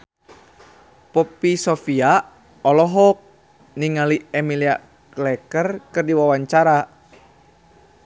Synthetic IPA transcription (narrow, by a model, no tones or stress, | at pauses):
pɔpisɔfia | ɔlɔɦɔk̚ | niŋaliɛmilia | klɛkərkɨrdiwawaɲt͡ʃaɾa